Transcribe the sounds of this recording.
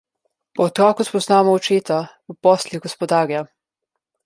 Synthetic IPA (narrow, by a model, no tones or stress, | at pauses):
pɔɔt̪ɾɔːkuspɔznaːmɔɔt͡ʃeːt̪a | upɔslʲiɡɔspɔd̪aːɾja